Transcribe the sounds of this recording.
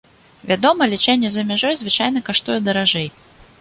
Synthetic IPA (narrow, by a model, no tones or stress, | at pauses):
vʲad̪ɔmɐlʲit͡ʂɛnʲːɛzɐmʲaʐɔjzvɨt͡ʂajn̪ɐkaʂt̪ujɛd̪ɐɾaʐɛj